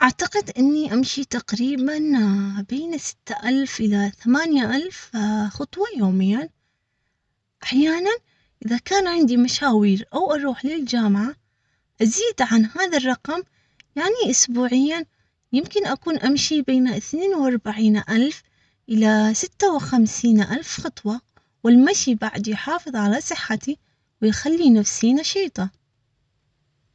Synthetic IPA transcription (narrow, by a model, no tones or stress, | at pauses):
ʔaʕt̪aqɪd̪ʔɪnːiʔamʃit̪aqɾiːbanbeːnsɪ̥t̪ːaʔalfʔɪlaθamaːnjaʔalfxɑt̪ˤwɑjoːmɪjːa | ʔaħjaːnan | ʔɪðakaːnʕɪnd̪imaʃaːwiːɾʔawʔɑɾˤuːħlɪld͡ʒaːmʕa | ʔaziːd̪ʕanhaːðarˤɑqɑm | jaʕniʔʊsbuːʕɪjːa | jɪmkɪnʔakuːnʔamʃibeːnaʔɪθneːnwʔɑɾˤbaʕiːnʔalf | ʔɪlasɪt̪ːawɪxamsiːnʔalfxɑt̪ˤwɑ | wɪlmaʃibaʕd̪jħɑːfɨðˤʕalasˤɨħːat̪i | wɪjxalːinafsiːnaʃiːt̪ˤɑ